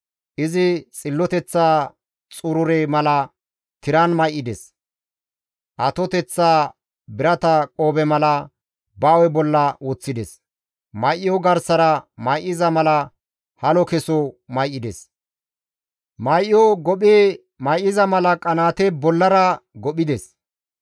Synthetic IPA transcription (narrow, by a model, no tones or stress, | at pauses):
ʔɪzɪt͡sʼɪlːɔt̪ɛt͡sːaː | t͡sʼʊɾʊɾɛmɐlɐ | t̪ɪɾɐnmɐjʔːɪd̪es | ʔɐt̪ɔt̪ɛt͡sːaː | bɪɾɐt̪ɐkʼoːbɛmɐlɐ | bɐwɛbɔlːɐwoːt͡sːɪd̪ɛs | mɐjʔɪjɔɡɐɾsɐɾɐmɐjʔɪzɐmɐlɐ | hɐlɔkɛsɔmɐjʔːɪd̪ɛs | mɐjʔɪjɔɡɔɓeː | mɐjʔɪzɐmɐlɐkʼɐnaːt̪ɛbɔlːɐɾɐɡɔɓɪd̪ɛs